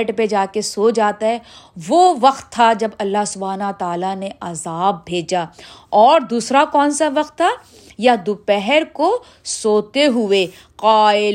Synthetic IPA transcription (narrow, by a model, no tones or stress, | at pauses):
ʈped͡ʒaːkesoːd͡ʒaːt̪aɦɛːʋoʋɐqt̪ʰːad͡ʒɐbɐlːaɦsʊbʱaːnot̪aːlaneazaːbʱːeːd͡ʒaːɔːɾd̪uːsɾakɔːnsaʋɐqt̪ʰːa | jad̪upɛɦɛɾko | soːt̪eɦʊeː | qaːɪ